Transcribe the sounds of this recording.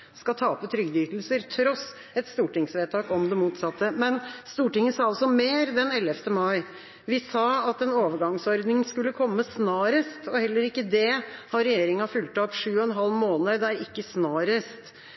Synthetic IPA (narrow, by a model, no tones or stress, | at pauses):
skɑt̪ʰɑːpət̪ʰɾʏɡd̪yːt̪l̩səɾt̪ʰɾɔs | ɛt̪st̪uːʈɪŋsʋeːt̪ʰɑːkɔmd̪ɛmuːt̪sɑt̪ːəmɛnst̪uːʈɪŋːəsɑːɑlsɔmeːɾd̪ɛnɛlːəft̪əmɑɪ | ʋɪsɑːɑt̪ɛnoːʋəɾɡɑŋsɔɾd̪nɪŋskʉlːəkʰɔmːəsnɑːɾəst̪ɔhɛlːəɾɪkːəd̪ɛhɑɾɛjeːɾɪŋɑfʉlt̪ɔpʂʉːɔɛnɦɑlːmoːnəd̪æɾɪkːəsnɑːɾəst̪